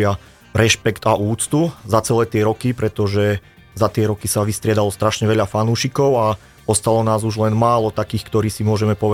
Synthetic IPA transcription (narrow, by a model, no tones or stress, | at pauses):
a | ɾɛʃpɛkt̪aʔuːt͡st̪uzat͡sɛlɛːt̪ɪɛɾɔkipɾɛt̪ɔʒɛ | zat̪ɪɛɾɔkisaʋist̪ɾɪɛd̪alɔst̪ɾaʃɲɛʋɛʎafanuːʃikɔʊa | ɔst̪alɔnaːzuʒlɛnmaːlɔt̪akiːxkt̪ɔɾiːsimʊɔʒɛmɛpɔʋɛ